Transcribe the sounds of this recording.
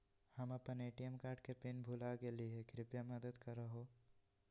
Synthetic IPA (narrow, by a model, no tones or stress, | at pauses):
hɐmɐpəneːʈijəmkaːɾʈkepɪnbʱuːlaɡeliekɾɪpjamɐd̪əd̪kɐɾɐɦoː